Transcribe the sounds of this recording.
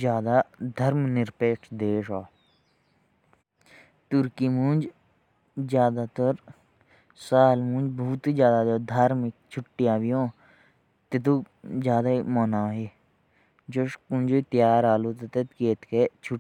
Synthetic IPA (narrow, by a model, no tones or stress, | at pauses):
zjaːd̪aːd̪ʱɐɾmnɪɾpeːʈʰd̪eːʃaː | t̪ʊɾkimũnd͡ʒ | zjaːd̪aːt̪ɐɾ | saːlmũːnd͡ʒbuːt̪id͡ʒjaːd̪aːd̪od̪ʱaːɾmik̚t͡ʃʰʊʈːijaːʋijõː | t̪et̪̬u | zjaːd̪aimoːnaːɦe | d͡ʒoʃkũnʲd͡ʒot̪jaːɾaːluːt̪ɐt̪et̪keːt̪ket͡ʃʰʊ